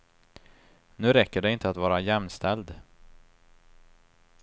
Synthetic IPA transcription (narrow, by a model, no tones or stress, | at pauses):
nʉ̟ːɾɛkːəɖɛɪnt̪əat̪vɑːɾajɛmnst̪ʰɛld̪